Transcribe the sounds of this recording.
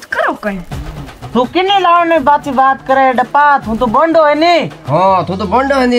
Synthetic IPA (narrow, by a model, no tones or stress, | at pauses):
kəɾoːkə | t̪ʰũːkɪneːlaːnẽːbaːt͡ʃiːbaːt̪kəɾeːɖəpaːt̪ʰɦũːt̪oːbəɳɖoːɦẽːniːɦoːt̪õːt̪oːbəɳɖoːɦẽnd̪i